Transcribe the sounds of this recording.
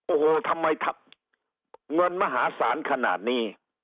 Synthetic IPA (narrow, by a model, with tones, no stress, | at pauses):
ʔoː˧˩hoː˨˩t̪ʰa˧mːa˧jt̪ʰa˧p̚ | ŋɤ˧nma˧ɦaː˩˦saː˩˦nkʰa˧na̰ː˨˩t̪̚niː˥˩